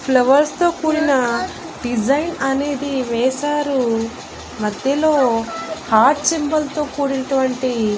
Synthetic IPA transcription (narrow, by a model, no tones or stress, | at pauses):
pʰlɐʋɐɾst̪o̞ːkuːɾinɐ | ɖid͡ʒɐjnɐne̞ːd̪iʋɛːʃaːɾu | mɐd̪jɐlo̞ːhaːʈ̚t͡ʃembɐlt̪o̞ːkuːɾinɐʈuʋɐɳʈi